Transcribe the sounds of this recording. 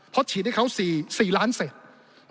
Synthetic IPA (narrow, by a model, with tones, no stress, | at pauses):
pʰɔ˦˥t͡ɕʰiː˨˩˦da˥˩kʰa˦˥˩wsiː˨˩siː˨˩laː˦˥nse˨˩t̪̚